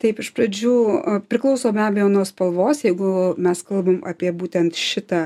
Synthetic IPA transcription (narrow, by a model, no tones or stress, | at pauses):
t̪ɐɪpɪʃpɾɐd͡ʒʲuːpʲɾʲɪklˠɐʊsoːbʲæːbʲɛjoːnuɔspɐlˠʋoːsjɛɪɡʊmʲɛskɐlˠbɐmʔɐ̰pʲiɛbuːt̪ʲɛnt̪ʃʲɪt̪ɑː